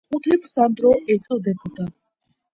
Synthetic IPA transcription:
χʼut̪ʰipʰsand̪ɾɔʔɛt͡sʼɔd̪ɛpʰʼut̪ʰʼat̪

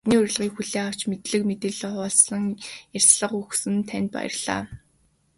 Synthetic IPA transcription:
niːʊɾ̆ʲɮʁiːkxuɮeːaw̥t͡ɕmet̪ɮɘ̆kmet̪ĕːɮχɔːɮsɮə̆ŋjar̥ʲsɮə̆χuxsɘ̆nt̪ʰænʲt̪̚pa̰jə̰̆rɮ̥a̰ː

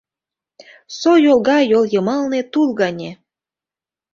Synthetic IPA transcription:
sojolˠɣɑjoljɤ̆mɑlnet̪ulɣɑnʲe

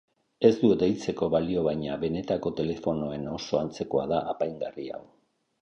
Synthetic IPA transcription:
e̞zd̪ud̪e̞jt͡se̞ko̞βalio̞βajɲaβe̞ne̞t̪ako̞t̪e̞le̞fo̞no̞e̞no̞so̞ant͡se̞koaðaʔːpajŋɡaria̰w

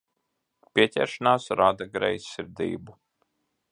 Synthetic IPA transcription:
pʲiɛcʲɛ̰ːɾʃanaːsɾad̪aɡɾɛ̰jsːiɾd̪ḭːbu

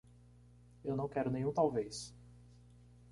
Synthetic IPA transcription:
ewnɐ̃w̃kɛɾʊnẽj̃ũt̪awvejs

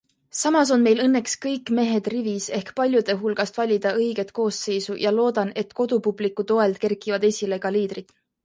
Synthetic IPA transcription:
sɑmɑs̬o̞nme̞jlɤnːe̞kskɤjkːˑme̞ɦe̞d̪̥rivise̞hkpɑlʲjud̪̥e̞ɦulɡ̥ɑst̪vɑlʲid̪̥ɑɤjɡ̥e̞t̪ko̞ːsːe̞jsujɑlo̞ːd̪̥ɑne̞t̪ko̞d̪̥upublikːˑut̪o̞e̞ld̪̥̚ke̞rkːˑivɑd̪e̞sʲile̞ɡɑliːd̪̥rid̪̥

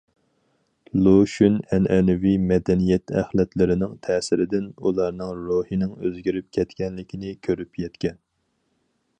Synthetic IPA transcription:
lˠoʃunɛnɛnɪwimɛd̪ɛnijɛt̪ʰɛ̰χlɛt̪lɪɾɪnɪŋt̪ʰɛːsɪɾɪd̪ɪnulˠɑɾnɨŋɾohinɪŋøzɡʲiɾyp̚kʲʰɛt̪kʲɛnlɪkʲʰinɪkʲʰøɾypjɛt̪kʲɛn

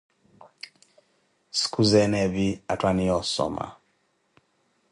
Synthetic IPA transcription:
skʰuzɛnɛviatwaniɔsɔ̰ma̰

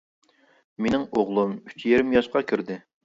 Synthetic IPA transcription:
menɪŋoʁlˠumyt͡ʃʰjeɾɪmjɑʃqɑkʲʰyɾd̪ɪ

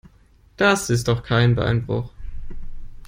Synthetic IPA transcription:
d̥asɪs̬t̚d̥ɔχkʰaɪnbəʔa̰ɪnbʁʊ̰χ

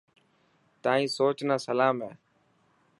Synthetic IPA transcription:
t̪aːĩːsoːt͡ʃnaːsəlaːmɦeː

